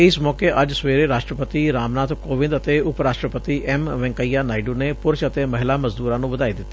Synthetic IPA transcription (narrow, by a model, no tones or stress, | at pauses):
ɪsmɔːkeʔɐd͡ʒsʋeːɾeɾaːʃʈɾəpət̪iɾaːmnaːt̪koːʋɪ̃nd̪ət̪eːʊpɾaːʃʈɾəpət̪iʔɛmʋɛ̃ːŋkəijaːnaːɪɖunepʊɾʃət̪eːmɐɦɪlaːməzd̪uːɾãːnũːʋəd̪aːid̪ɪt̪ːe̥